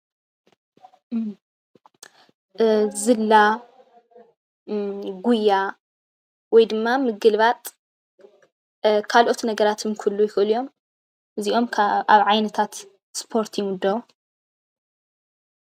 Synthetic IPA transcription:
zɨlːa | ɡujːa | wɔjd̪ɨmːamɨɡɨlβat̪ʼ | kʰalʔo̞t̪nɐɡɐɾat̪ʰɨmkʰulːujɪxɨɨlijo̞m | ɨziʔo̞mʰaβʕajnɐt̪ʰat̪ | spʰo̞ɾt̪ʰjɪmʊd̪ːɐβu

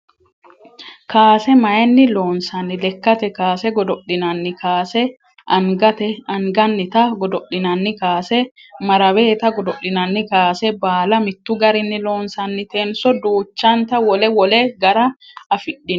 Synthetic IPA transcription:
kaːsɛmɐjɛnːɪloːnsɐnːɪlɛkːɐt̪ɛkaːsɛɡɔd̪ɔɗːɪnɐnːɪkaːsɛ | ɐŋɡɐt̪ɛɐŋɡɐnːɪt̪ɐɡɔd̪ɔɗɪnɐnːɪkaːsɛ | mɐɾɐbeːt̪ɐɡɔd̪ɔʔɪnɐnːɪkaːsɛbaːlɐmɪt̪ːʊɡɐɾɪnːɪlo̞ːnsɐnːɪt̪eːnsɔd̪uːt͡ʃːant̪ɐwɔlɛwɔlɛɡɐɾɐɐfɪᶑːɪn

